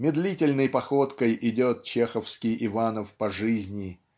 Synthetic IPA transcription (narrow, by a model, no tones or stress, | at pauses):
mʲɪd̪lʲitʲɪlʲnəjpɐxo̞t̪kəjɪdʲo̞t̪̚t͡ɕexəfskʲɪjɪvanəfpɐʐɨzʲnʲɪ